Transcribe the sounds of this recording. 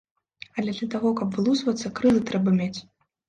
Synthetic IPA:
ɐlʲɛd̪lʲɐt̪aɣɔkɐbvɨlˠusvɐt̪sːɐkɾɨlˠɨt̪ɾɛbɐmʲet͡sʲ

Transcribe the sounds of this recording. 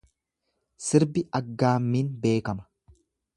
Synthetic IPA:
sɪɾbɪɐɡːaːmːiːnbe̞ːkɐmɐ̥

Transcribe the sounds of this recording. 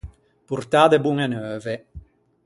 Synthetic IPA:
puɾt̪aːd̪ebuŋenøːve

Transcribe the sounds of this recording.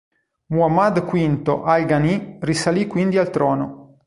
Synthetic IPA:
muamad̪kwint̪o̰ʔalɡanirisalikwind̪ialt̪ɾɔːno

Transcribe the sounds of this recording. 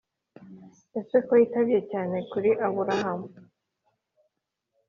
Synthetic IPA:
jasekojitaβjecaːne̞kuɾiʔaβuɾaɦam

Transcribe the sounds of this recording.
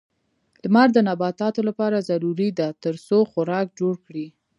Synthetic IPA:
lmaɾd̪ənabɑt̪ɑt̪olapɑɾazaɾuɾid̪at̪əɾsoxʊɾɑk̚d͡ʒoɽkɽi

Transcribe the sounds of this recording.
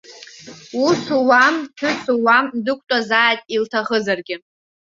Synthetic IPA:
usuwamħʊt͡sʰuwamdɨkʷʼtʼazaːjtʼiltʰaχəzarɡʲɪ

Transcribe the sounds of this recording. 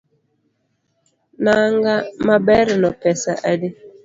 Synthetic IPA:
naŋɡamabɛɾɪnɔpɛsaʔadɪ

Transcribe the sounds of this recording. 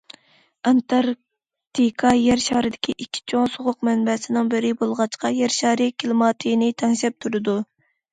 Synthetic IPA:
ɑnt̪ʰɑɾ | t̪ʰikʰɑjɛɾʃɑhɾɪd̪ɪkʲʰiʔikʲʰːi̥t͡ʃʰoŋsoʁʊqmɛnbɛsɪnɪŋbɪɾɪbolˠʁɑt͡ʃqɑjɛɾʃɑɾɪkʲʰilˠɨmɑːt̪ʰijnɪt̪ʰɛŋʃɛp̚t̪ʰuɾɨd̪u

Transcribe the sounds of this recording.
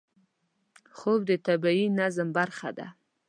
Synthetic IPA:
xobd̪ət̪abainazmbaɾxa̰d̪a̰

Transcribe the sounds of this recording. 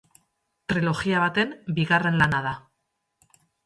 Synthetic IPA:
t̪ɾilo̞ɣiaβ̞at̪e̞mbiɣare̞nlanað̞a

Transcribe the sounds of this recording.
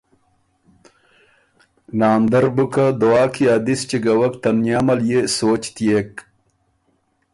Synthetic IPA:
naːnd̪ɐɾbukad̪oaːkʰiaːd̪ist͡ɕiɡɐwɐkt̪ɐnjaːmɐljesoːt͡ɕt̪ijek

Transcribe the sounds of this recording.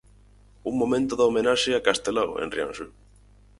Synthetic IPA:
umːomẽnt̪oðaomenaseakast̪elawḛnrja̰nsy

